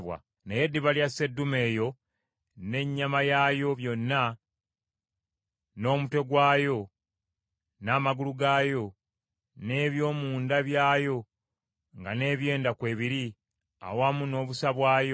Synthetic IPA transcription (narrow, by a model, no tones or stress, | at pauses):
βwa̰ | neje̞dːiβaljasːe̞dːume̞ːjo̞ | ne̞ɲːamajaːjo̞βjo̞nːa | no̞ːmutwe̞ɡwaːjo̞ | naːmaɡuluɡaːjo̞ | ne̞ːβjo̞ːmuːndaβjaːjo̞ | ŋɡane̞ːβje̞ːndakwe̞ːβiɾi | a̰wamuno̞ːβusaβwaːjo